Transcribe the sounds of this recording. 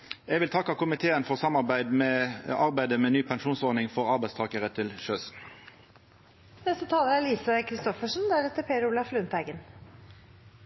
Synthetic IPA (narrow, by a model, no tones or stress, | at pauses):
ɛɡʋɪlt̪ʰɑkːɑkʊmɪt̪ʰeːənfɔʁsɑmɑʁbæɪd̪mɛɑʁbæɪd̪əmɛnyːpʰɛnʃuːnsɔʁnɪŋfɔʁɑʁbæɪst̪ʰɑːkəʁət̪ʰɪlʃøːs | nɛst̪ət̪ʰɑːləɾæɭiːsəkʰɾɪst̪ɔfəʂn̩d̪æɾɛt̪ːəpʰeːɾʊlɑflʉnt̪æɪɡən